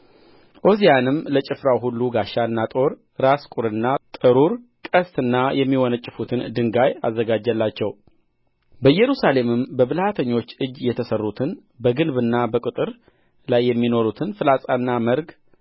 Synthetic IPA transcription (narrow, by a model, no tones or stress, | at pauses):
ʔo̞zijanɨmlət͡ʃʼɪfɾawɦulːuɡaʃːaɨnːat̪ʼo̞ɾ | ɾaskʼuɾɨnːat̪ʼɨɾuɾkʼəst̪ɨnːajɛmːiwɔnət͡ʃʼːɪfut̪ʰɨnd̪ɨŋɡaja̰zːəɡad͡ʒːəlːat͡ʃːɛw | bəjːɛɾusale̞mɨmbəβɨlhat̪ʰəɲːo̞t͡ʃːɨd͡ʒjɛt̪ʰəsərːut̪ʰɨn | bəɡɨlbɨnːabəkʼɨt̪ʼɨɾ | lajːɛmːino̞ɾut̪ʰɨnfɨlasʼanːaməɾɡ